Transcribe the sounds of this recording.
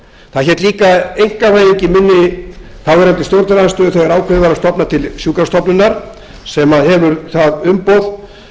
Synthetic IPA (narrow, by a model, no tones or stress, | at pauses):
θaðçɛt̪liːkaejŋ̥kavaːjiɲcɪmɪnːɪθawvɛɾant̪ɪst̪jowɾt̪ɾaðast̪œðʏθœɥɛɾaːwkʰvɛɪvaɾast̪ɔpnat̪ʰɪlsjuːkaɾst̪ɔpnʏnːaɾ̥ | sɛmaðhɛvʏɾθaðʏmpowð